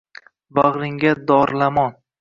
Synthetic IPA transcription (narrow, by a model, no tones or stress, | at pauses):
baʁɾɪŋɡʲad̪ɒɾlamɒn